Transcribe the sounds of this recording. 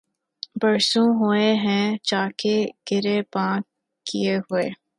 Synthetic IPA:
bɐɾsũɦʊeɦɛ̃t͡ʃaːkeɡ̥ɪɾepãːkː | ieɦʊeː

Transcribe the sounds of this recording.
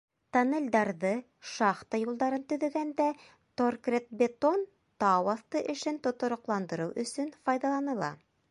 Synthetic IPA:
t̪ɑnelʲd̪ɑɾðɤ | ʃɑχt̪ɑjulˠd̪ɑɾɤnt̪ɵ̆ðɵ̆ɡænd̪æ | t̪orkrʲet̪̚bʲet̪on | t̪ɑwɑθt̪ɤʔɘ̆ʃɘnt̪ŏt̪ŏɾŏqlˠɑnd̪ɤ̆ɾɤwʔɵ̆sɵnfɑjðɑlˠɑnɤ̆lˠɑ̰

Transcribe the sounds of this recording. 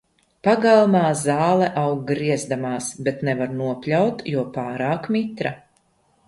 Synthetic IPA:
paɡalˠmaːzaːlˠɛʔawɡɾiɛzd̪amaːsbɛt̪nɛvaɾnuɔpʲlʲawt̪juɔpaːɾaːkmit̪ɾa

